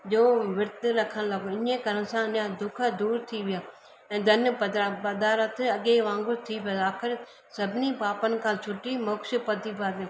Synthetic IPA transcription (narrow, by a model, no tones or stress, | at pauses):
d͡ʒoːʋɪɾt̪ɾɐkʰənləɡoɪnẽkəɾənsãːnjãːd̪ʊkʰəd̪uːɾt̪ʰiʋɪjaː | ɛ̃ːd̪ʱənpəd̪ɾaːpəd̪aːɾət̪ʰɐɠeʋãːŋɡʊɾt̪ʰiːpjoːaːkʰɪɾ | səbʱɪnipaːpənkʰãːt͡ʃʰʊʈimoːkʃpəd̪ipaːd̪jẽː